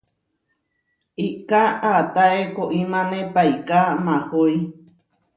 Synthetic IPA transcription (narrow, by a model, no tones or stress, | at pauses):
ikaʔat̪aekoʔimãnẽpajkamãhoj